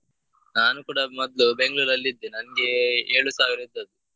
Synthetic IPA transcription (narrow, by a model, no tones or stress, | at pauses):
naːnukuːɽɐmɔd̪lube̞ŋɡɭuːɾɐlːid̪ːenɐnɐɡeeːɭusaːʋiɾɐid̪ːɐd̪ːu